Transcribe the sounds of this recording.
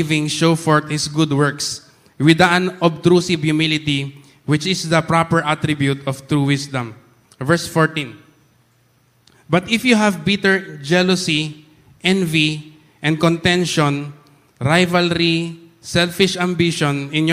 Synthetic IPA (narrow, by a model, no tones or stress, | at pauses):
vɪ̃ŋʃofɔɹt̪̚hɪsɡʊd̪wɛɹks | wɪd̪ɐʔãnɔb̚t̪ɾusɪbjʊmilɪt̪i | wɪt͡ʃɪsd̪ɐpɹapɛɹʔat̪ɾɪbjut̪ɔft̪ɾuwɪsd̪ɐ̃m | vɛɹsfɔɹt̪ĩn | bɐt̪ɪfjuɦævbɪt̪ɛɹd͡ʒɛlɔsi | ʔɛ̃nvi | ʔɛ̃nd̪̚kɔ̃nt̪ɛ̃nʃɔ̃n | ɹajvalɾisɛlfɪʃɐ̃mbiʃɔ̃nɪ̃njɔ